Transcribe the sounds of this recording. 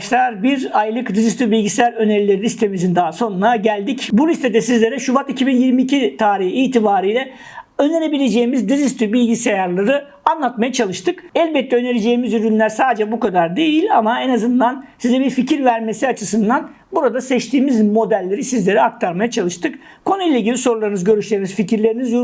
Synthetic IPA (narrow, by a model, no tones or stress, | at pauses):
ʃlˠaɾbiɾajlˠɯkd̪izist̪ybilʲɟisejaɾø̞neɾilʲe̞ɾilʲist̪ʰe̞mizind̪aːso̞nunaɟælʲd̪icbulʲist̪ʰed̪ɛsizlʲe̞ɾɛʃubat̪icʰibinjiɾmiːcʰit̪ʰaːɾihːt̪ʰibaːɾɯjlʲɛ | øne̞ɾe̞bilʲe̞d͡ʒe̞jimizd̪izist̪ybilʲɟise̞jaɾlˠaɾɯ | anlˠat̪majat͡ʃʰalˠɯʃt̪ʰɯkɛlʲbɛt̪ʰːɛøneɾʲed͡ʒe̞ːimizyɾynlʲæɾsaːd̪ed͡ʒɛbukad̪aɾd̪e̞jilʲamaɛnazɯnd̪ansizɛbiɾficiɾvæɾme̞siat͡ʃʰɯsɯnd̪an | buɾad̪asɛt͡ʃt̪ʰiːmizmo̞d̪ælʲːe̞ɾisizlʲe̞ɾɛak̚t̪ʰaɾmajat͡ʃʰalˠɯʃt̪ʰɯk | kʰonujilʲeiɟʲilʲiso̞ɾulˠaɾɯnɯzɟø̞ɾyʃlʲeɾiniz̥ficʰiɾlʲe̞ɾinizju